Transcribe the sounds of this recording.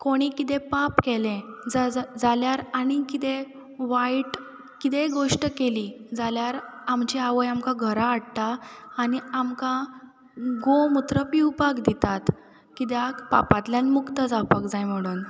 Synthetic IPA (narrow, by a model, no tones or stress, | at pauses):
koɽ̃ikit̪epapkɛlẽd͡zad͡zaljaɾaɽ̃ikit̪e | ʋajʈ | kit̪eɡoʂʈəkeliːd͡zaljaɾamt͡ɕiaʋəjamkaɡʱəɾaːɽt̪aːniamkã | ɡomut̪ɾəpiwpakd̪it̪at̪ | kit̪̬jakpa̰pat̪ljanmukt̪əd͡zawpakd͡zajm̤əɽ̃uːn